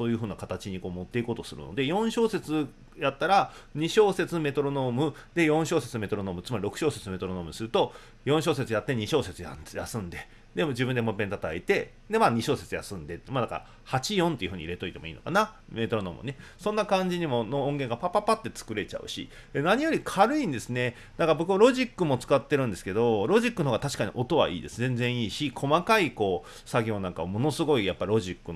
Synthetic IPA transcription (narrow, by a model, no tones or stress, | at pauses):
so̞ːjɯ̟ːɦɯ̟ːnakat̪at͡ɕiɲ̟iko̞ːmo̞t̪ːe̞ikoːt̪o̞sɨɾɯ̟̰no̰d̪e̞jõ̞ɰ̃ɕo̞ːse̞t͡sɨ | jat̪ːaɾaɲ̟iɕo̞ːse̞t͡sɨme̞t̪o̞ɾono̞ːmɯ̟d̪e̞jõ̞ɰ̃ɕo̞ːse̞t͡sɨme̞t̪o̞ɾono̞ːmɯ̟t͡sɨmaɾʲiɾo̞kɯ̟ɕo̞ːse̞t͡sɨme̞t̪o̞ɾono̞ːmɯ̟sɨɾɯ̟t̪o̞ | jõ̞ɕ̬o̞ːse̞t͡sɨjat̪ːe̞ɲ̟iɕo̞ːse̞t͡sɨja̰jasɨ̃nd̪e | d̪e̞mod͡ʑibɯ̃nd̪e̞mopẽ̞nt̪at̪aet̪e̞ | d̪e̞maɲ̟iɕo̞ːse̞t͡sɨja̰sɨ̃nd̪e̞t̪ːmad̪aka̰ɾa̰ | hat͡ɕijõ̞nt̪e̞iɯ̟ɸɯ̟ɲ̟iɾe̞t̪o̞it̪e̞mo̞ḭːno̞̰kaname̞ːt̪o̞ɾono̰mo̰ne̞sõ̞nːakãɲ̟d͡ʑiɲ̟imo̞noõŋɡe̞ŋɡapapapat̪ːe̞t͡sɨ̥kɯ̟ɾe̞t͡ɕa̰ɯ̟̰ɕḭ | naɲ̟ijo̞ɾʲikʰaɾɯ̟ĩnd̪e̞sɨne̞ | d̪akaɾabo̞kɯβaɾo̞ʑikːɯ̟mo̞t͡sɨ̥kat̪ːe̞ɾɯ̟̃nd̪e̞sɨ̥ke̞d̪o̞ɾo̞ʑikːɯnhoːɡat̪aɕi̥kaɲ̟ḭʔo̞t̪o̞βa̰ʔḭːd̪e̞sɨzẽ̞nd͡zẽ̞ɰ̃iːɕikʰo̞makaiko̞ː | saɡʲo̞ːnãŋkaβamo̞no̞sɨɡo̞ijapːaɾʲiɾo̞ʑikːɯn